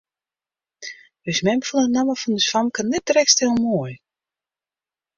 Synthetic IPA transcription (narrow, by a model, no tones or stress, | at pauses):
əsmɛmfulˠənaməfɔndəsfamkanːɛt̚dərɛkstɪlˠmoːəj